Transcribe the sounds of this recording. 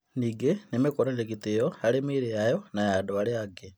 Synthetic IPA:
niɡenemekoɾanekitejoalemiɾejajonajadoaleaɡe

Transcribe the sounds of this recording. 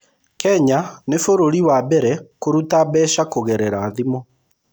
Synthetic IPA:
kɛɲanefoɾoɾiwabɛɾɛkoɾutabɛːʃakoɣɛɾɛɾaːðimɔ

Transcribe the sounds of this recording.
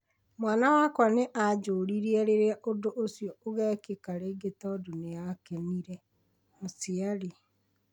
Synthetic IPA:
mwaːnawaːkwaneʔad͡ʒoːɾiɾiɛɾeɾɛʔodoʔosjɔoɣɛːkekaɾeɡetɔdoneakeniɾɛ | mosiaɾi

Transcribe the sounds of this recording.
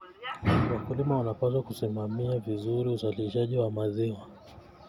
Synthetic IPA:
wakulimawanapas̬wakusimamiavizuɾiusaliliʃaʄiwamaziwa

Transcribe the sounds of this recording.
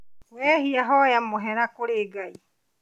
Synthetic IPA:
kwɛhiaɦɔjamoɦɛɾakoɾeːɡai

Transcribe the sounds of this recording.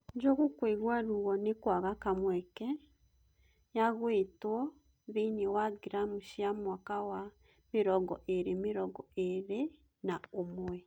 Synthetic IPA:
ɲd͡ʒɔɣukweɣwaɾuɣɔnekwaɣakamwɛkɛ | jaɣwetwɔ | ðenewaɡiɾamuʃiamwakawa | meɾɔɡɔʔeɾemeɾɔɡɔeɾe | naomwɛ

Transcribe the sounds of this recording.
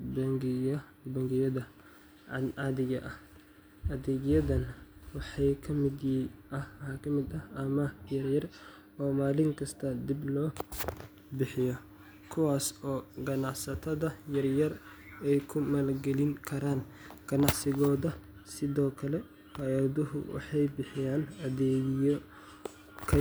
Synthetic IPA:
bŋɡ | bɐŋɡɪjɐðɐ | ɑðɪɣɐʔɐh | ʔɐðɛɡjɐðɐnwɑħɑjkʰɐmɪd̪jiʔɐhhaːkʰɐmɪd̪ɐhɐmɐjɐrjɐr | ɔːmaːlɪŋkʰɐst̪ʰɐd̪ɪblɔː | bɪħɪjɔ | kʰʊwaːsɔːɡɐnɑʕsɐt̪ʰɐðɐjɐrjɐr | ɛjkʰʊmɐlɡɛlɪŋkʰɐɾaːn | ɡ̥ɐnɑʕsɪɣɔːðɐ | sɪðɔːkʰɐlɛ | fɑjɐðʊɦʊ̰wɑ̰ħɑjbɪħɪjaːnɐðɛːɡɪjɔ | kʰɐ

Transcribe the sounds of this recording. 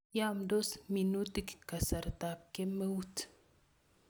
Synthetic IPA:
jamd̪osminut̪ikkːɐsɐɾt̪ap̚kemːəwut̪

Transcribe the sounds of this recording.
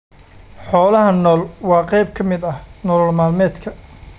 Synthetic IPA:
ħɔːlɐɦɐnɔːlwɑːqɛjb̚kʰɐmɪd̪ɐhnɔlɔlmaːlmɛːd̪kʰɐ

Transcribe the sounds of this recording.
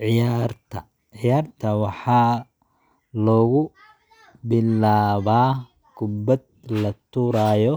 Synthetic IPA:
ʕɪjaːrt̪ʰɐ | ʕɪjaːrt̪ʰɐwɑħɑː | lɔːɣʊ | bɪlaːβaː | ɡ̥ʊbɐd̪̚ | lɐt̪ʰuɾaːjɔ

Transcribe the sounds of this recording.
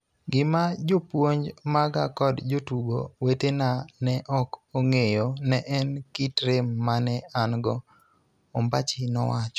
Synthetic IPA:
ɡɪmad͡ʒopwoɲd͡ʒmaɡakɔdd͡ʒotuɡo̰wetenanɛʔɔkoŋejonɛʔɛnkitɾemːanɛanɡɔ | ombat͡ʃɪnɔ̰wat͡ʃɔ̥

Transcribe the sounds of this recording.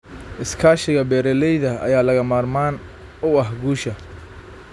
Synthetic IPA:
ʔɪskʰaːʃɪɣɐbɛːɾɛlɛjðɐɐ̰jaːlɐɣɐmaːrmaːn | ʊɐɦɡuːʃɐ

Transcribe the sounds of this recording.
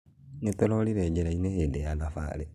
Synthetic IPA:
net̪ɛɾɔliɾɛɟeɾaineheːdejanafa̰ɾe

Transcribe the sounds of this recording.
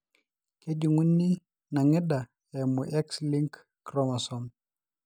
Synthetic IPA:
ked͡ʒuŋunːi | naŋɪda | ɛmuʔɛksliŋkː | ɾɔmasɔm

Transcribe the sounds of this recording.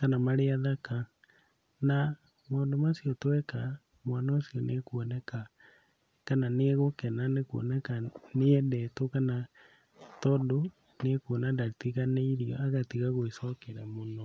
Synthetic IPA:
kanamaɾeaðaka | na | moːndomasiɔtwɛka | mwanaosiɔnekwɔnɛka | kananeɣokɛnanekwɔ̰nɛkaneɛdɛtokana | tɔdo | nekwonadatiɣaneiɾiɔaɣatiɣaɣoesɔkeɾɛmonɔ

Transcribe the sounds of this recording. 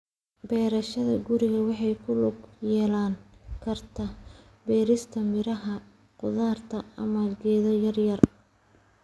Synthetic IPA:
bɛːɾɐʃɐðɐɡʊɾɪɣɐwɑħɑjkʰʊlʊɡjɛːlaːŋkʰɐrt̪ʰɐ | bɛːɾɪst̪ʰɐmɪɾɐɦɐ | qʊðaːrt̪ʰɐɐ̰mɐlɡɛːðɐjɐrjɐr

